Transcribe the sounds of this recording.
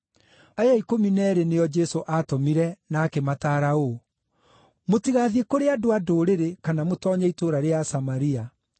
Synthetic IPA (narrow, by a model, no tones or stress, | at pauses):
ajaikominɛɾenejɔd͡ʒɛsoʔatomiɾɛnaːkemataɾao | motiɣaðiekoɾeadoadoːɾeɾekanamotɔːɲaitoːɾaɾeasamaɾia